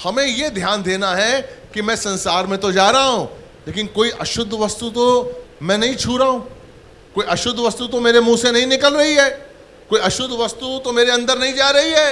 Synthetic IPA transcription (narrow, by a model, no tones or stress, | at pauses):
hɐmẽjed̪ʱjaːnd̪eːnaɦɛkimɛ̃ːsɐ̃nsaːɾmẽt̪od͡ʒaːɾɐɦaɦũː | leːk̬ɪnkoːiʔɐʃʊd̪ʱʋɐst̪ut̪omɛ̃nɐɦĩt͡ʃʰuːɾaɦũː | koːiʔɐʃʊd̪ʱʋɐst̪ut̪omeːɾemũːsenɐɦĩnɪkəlɾɐɦiɦɛː | koːiɐʃʊd̪ʱʋɐst̪ut̪omeːɾeɐ̃nd̪əɾnɐɦĩd͡ʒaːɾɐɦiɦɛː